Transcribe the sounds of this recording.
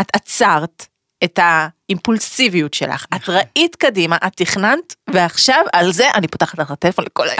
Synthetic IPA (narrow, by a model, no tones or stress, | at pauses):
atat͡saʁt | e̞thaimpulsivijutʃe̞̰la̰χatʁaʔitkadimaʔatːiχnantveaχʃavalze̞ʔanipo̥taχat̪aatelefo̞nlekola̰j